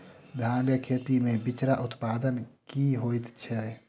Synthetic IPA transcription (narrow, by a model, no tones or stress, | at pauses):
d̪ʱãːɖjəkʰeːt̪imẽbɪt͡ʃɾaʔʊt̪paːd̪ənkiɦoːit̪t͡ʃʰɛ